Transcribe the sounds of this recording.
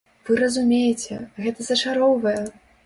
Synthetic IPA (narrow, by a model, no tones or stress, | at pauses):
vɨɾɐzumʲejɛt͡sʲɛɣɛt̪ɐzɐt͡ʂaɾɔwvɐjɛ